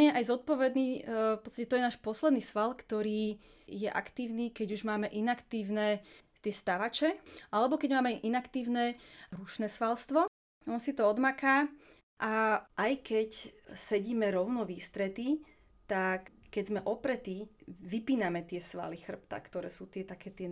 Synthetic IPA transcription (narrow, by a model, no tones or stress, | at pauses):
ɲɛʔajzɔt̪̚pɔʋɛd̪niːfpɔt̪t͡st̪acɛt̪ɔjɛnaːʃpɔslɛd̪niːsʋalkt̪ɔɾiː | jɛʔa̰kt̪iːʊniːkɛɟuʒmaːmɛʔinakt̪iːʊnɛt̪ɪɛst̪aʋat͡ʃɛʔalɛbɔkɛɟmaːmɛʔinakt̪iːʊnɛɾuʃnɛsʋalst̪ʋɔ | ɔnsit̪ɔɔd̪makaː | ʔaʔajkɛcsɛɟiːmɛɾɔʊnɔʋiːst̪ɾɛt̪i | t̪akkːɛɟzmɛʔɔpɾɛt̪iʋipiːnamɛt̪ɪɛsʋa̰lixr̩p̚t̪a̰kt̪ɔɾɛːsuːt̪ɪɛt̪akɛːt̪ɪɛ